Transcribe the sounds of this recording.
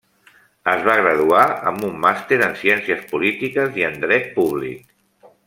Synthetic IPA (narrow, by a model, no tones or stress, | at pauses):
əzβ̞aɣɾəð̞uaə̰mbumːast̪eɾənsiɛnsiəspulit̪ikəziənd̪ɾɛt̪̚puβ̞lḭk